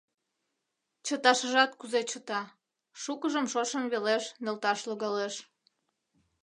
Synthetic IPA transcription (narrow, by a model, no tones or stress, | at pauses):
t͡ɕət̪ɑʃəʒɑt̪̚kuzet͡ɕət̪ɑ | ʃukəʒəmʃoʃənβeleʃnelt̪ɑʃloɣɑleʃ